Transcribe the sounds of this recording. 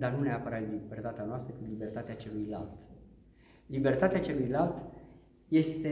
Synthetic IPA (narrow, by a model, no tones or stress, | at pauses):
d̪anuneapəɾat̪libert̪at̪eanoast̪ɾəkɨt̪libe̞rt̪at̪eat͡ʃe̞lujla̰lt̪ | libe̞rt̪at̪eat͡ʃe̞lujlalt̪ | je̞st̪e